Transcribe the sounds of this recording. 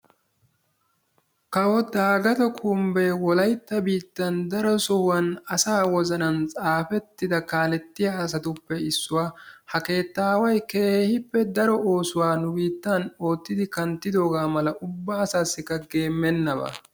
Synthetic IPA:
kɐwɔd̪aːɡɐt̪ɔkʰumbeːwɔlɐjt̪ːɐbiːt̪ːɐnd̪ɐɾɔsɔwɐnɐsaːwɔzɐnɐnt͡sʼaːfɛt̪ːɪd̪ɐkaːlɛt̪ːɪjasɐt̪ʊpːɛɪsːʊwaːhɐke̞ːt̪ːaːwɐjkeːhɪpːɛd̪ɐɾɔo̞ːsʊwaːnʊbiːt̪ːɐno̞ːt̪ːɪd̪ɪkɐnt̪ːɪd̪o̞ːɡaːmɐlɐʔʊbːaːsaːsːɪkːɐɡe̞ːmːɛnːɐbɐ̰

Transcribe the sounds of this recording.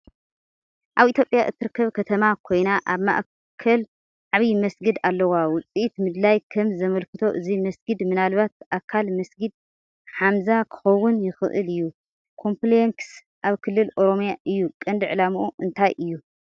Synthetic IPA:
ʔaβʔit̪ʰjopʼjaʔɨt̪ʰːɨɾɨkːɐβkʰɐt̪ʰɐmakʰo̞jnaʔaβma̰ʔ | kʰɐl | ʕaβimɐsɡɨd̪alːɐwawʊt͡sʼiʔit̪mɨd̪lajkʰɐmzɐmɐlkʰɨt̪ʰo̞ʔɨzimɐsɡɨd̪mɨnalβat̪̚ʔakʰːalmɐsɡɨd̪̚ | ħamzakʰɨ̥xɐwːʊnjɪxɨʔɨ̰lɨjːu | kʰo̞mpleŋks | ʔaβkʰɨlːɨlʔo̞ɾo̞mijaʔɨjːukʼɐnd̪ɨʕɨlamuʔuʔɨnt̪ʰajʔɨjːu

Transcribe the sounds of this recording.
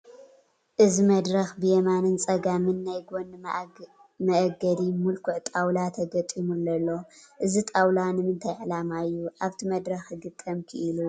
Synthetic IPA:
ʔɨzimɐd̪ɾɐxbɨjɛmanɨnt͡sʼɐɡamɨnːajɡonː | mɐʔɡɐd̪imulkʰuʕt̪ʼawlat̪ʰɐɡɐt̪ʼimulːɐlːo̞ʔɨzit̪ʼawlanɨmɨnt̪ʰajʕlamajːuʔaβt̪ʰimɐd̪ɾɐxɡɨt̪ʼːɐmkʰɨʔilu

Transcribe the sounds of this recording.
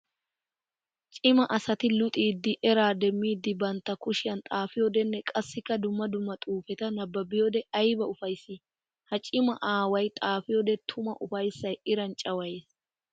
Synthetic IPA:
t͡ʃʼɪmɐʔɐsɐt̪ɪlʊt̪ʼiːd̪ːɪʔɛɾaːd̪ɛmːiːd̪ːɪbɐnt̪ːɐkʊʃɪjɐnt̪ʼaːfɪjod̪ɛnːɛkʼɐsːɪkːɐd̪ʊmːɐd̪ʊmːɐt̪ʼuːfɛt̪ɐnɐbːɐbɪjod̪ɛɐjbɐʊfɐjsːi | hɐt͡ʃʼɪmɐ̰ʔaːwɐjt̪ʼaːfɪjod̪ɛt̪ʰʊmɐʔʊfɐjsːɐjɪɾɐnt͡ʃʼɐwɐjes

